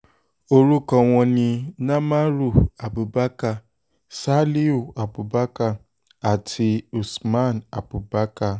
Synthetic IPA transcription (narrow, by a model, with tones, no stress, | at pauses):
o˦ɾu˦kɔ˨ŋʷɔ˨nɪ˨na˦ma˦ɾu˨a˨bʊ˨ba˦ka˨ | sa˦li˦u˨a˨bʊ˨ba˦ka˦ | a˨tʰɪ˨u˨sma˦˨na̰˨bʊ˨ba˦ka˦